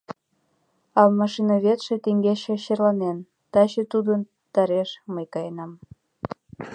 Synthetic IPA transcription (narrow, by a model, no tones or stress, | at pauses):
ɑlmɑʃinɑβet̪ʃet̪eŋɡeʃĕɕerlɑnen | t̪ɑɕet̪ud̪ən | t̪ɑɾeʃməjkɑjenɑm